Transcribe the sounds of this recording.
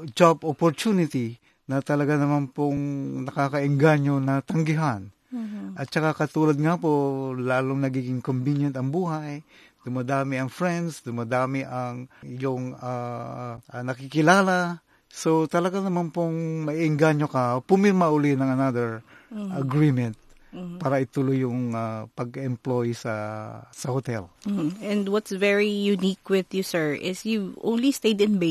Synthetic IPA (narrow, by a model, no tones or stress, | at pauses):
d͡ʒabopoɾt͡ʃ̪unɪt̪i | nɐt̪ɐlɐɡanɐmanpoŋnɐkakɐɪŋɡaɲonɐt̪ɐŋɡɪɦan | ʔɐt̪̚t͡ʃɐkakɐt̪uːlɐd̪̚ŋapolaːlʊŋnɐɡiːɡɪŋkombinjɐnt̪ɐŋbuːɦaj | d̪ʊmad̪aːmɪɐŋfɹɛnd̪sd̪ʊmad̪aːmɪʔaŋɪjoŋa | nɐkɪkɪlaːla | sot̪ɐlɐɡanɐmanpoŋmɐʔiʔɛŋɡaɲokɐpʊmɪɾmaʔʊlinɐŋɐnad̪ɛɹʔɐɡɹimɛnt̪̚paːɾɐɪt̪ʊlʊjʊŋapɐɡɛmplojsɐsɐhot̪ɛlm̩ɛ̃nd̪wɔt̪svɛɹijunikwɪðjusɛ˞ʔɪsjuvʔõ̰w̃nlist̪ejd̪ɪ̃nbe